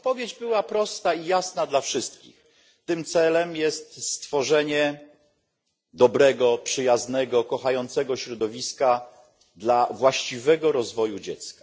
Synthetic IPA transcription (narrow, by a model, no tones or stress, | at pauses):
pɔvʲjed͡ʑbɘwapɾɔst̪aijasnad̪lafʂɘst̪kʲḭx | t̪ɘmt̪sɛlɛmjɛst̪st̪fɔʐɛɲɛ | d̪ɔbɾɛɡɔpʂɘjaznɛɡɔkɔxajɔnt̪sɛɡɔɕɾɔd̪ɔvʲiska | d̪lavwaɕt͡ɕivɛɡɔɾɔzvɔjud͡ʑɛt̪skḁ